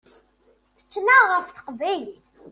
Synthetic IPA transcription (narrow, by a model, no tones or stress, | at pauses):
θə̥t͡ʃːnaʁəfθə̥qvæjl